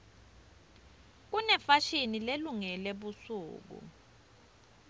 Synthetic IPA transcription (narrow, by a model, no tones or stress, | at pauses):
k̬unɛfaʃinileluŋɛleɓusṵːk̬ṵ